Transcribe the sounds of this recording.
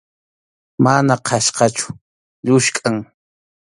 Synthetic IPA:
manaqʰɑʃqɑt͡ʃʊ̥ | ʎʊʃkʼaŋ

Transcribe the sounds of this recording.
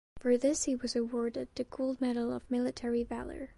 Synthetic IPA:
fə˞ðɪshiwʌzɨwɔɹɾɨd̪̚ðɨɡʰoʊlˠd̚mɛɾl̩ˠʌvmɪlˠɨtʰɛɹivæ̰lˠə̰˞

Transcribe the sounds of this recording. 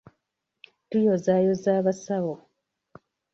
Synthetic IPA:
tujozajozaːβasawo

